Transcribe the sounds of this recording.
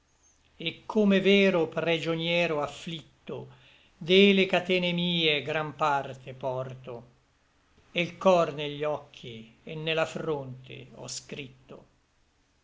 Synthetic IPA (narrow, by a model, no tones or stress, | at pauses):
ekʰːomevɛːɾopɾid͡ʒonjɛːɾoafːlit̪ːo | d̪elekat̪ɛːnemiːeɡɾampart̪epɔrt̪o | elkɔrneʎːɔkʰːienːelafɾont̪ḛɔ̰skɾit̪ːo̰